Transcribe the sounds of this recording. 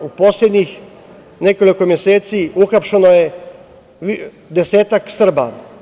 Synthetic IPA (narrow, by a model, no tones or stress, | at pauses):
upɔːsled̪nix | neːkɔlikɔmjɛseːt̪siuxapʃanɔjɛ | d̪ɛsɛːt̪aksəɾba̰